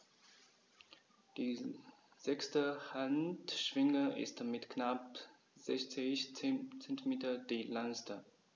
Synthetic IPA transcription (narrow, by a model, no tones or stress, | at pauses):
d̥iː | z̥ɛkstəhantʃv̥ɪŋəɪ̰stmɪtknap | z̥ɛçt͡sɪçt͡sɛntimeːtɐdelanstə